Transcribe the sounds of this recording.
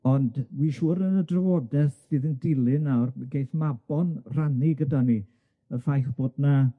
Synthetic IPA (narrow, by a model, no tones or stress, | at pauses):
ɔndwiʃuːɾənədrəvɔdɛθsɨːðəndɪlˠɨnawrɡejθmabɔnr̥aniɡədani | əfajθb̥oːdna